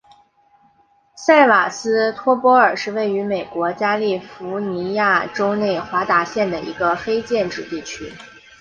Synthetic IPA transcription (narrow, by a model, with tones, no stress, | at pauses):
sa˥˩ɪwa˨˩sɹ̩˥t̪ʰwɔ˥pwɔ˧˥ə˞˨˩ʂɻ̩˥˧we˥˩ɪy˧˥me˨˩ɪkwɔ˧˥t͡ɕja˥li˥˩fu˧˥ni˧˥ja˥˩ʈ͡ʂo˥ʊne˥˩ɪxwa˧˥t̪a˧˥ɕjɛ˥˩nd̪ə˩ḭ˧˥ɡə˧fe˥ɪt͡ɕjɛ˥˧nʈ͡ʂɻ̩˥˩t̪i˥˩t͡ɕʰy˥